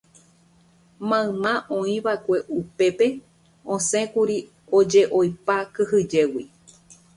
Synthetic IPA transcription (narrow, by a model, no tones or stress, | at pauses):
mãɨ̃mãʔõĩʋaekʷe̞ʔupe̞pe̞ | õsẽ̞kuɾi | od͡ʒe̞ʔojpakɨhɨd͡ʒe̞wi